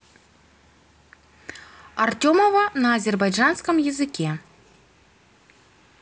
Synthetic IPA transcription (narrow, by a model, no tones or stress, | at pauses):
artʲomɐvɐnɐːzʲerbajʐanskəmjɪzɨkʲɛ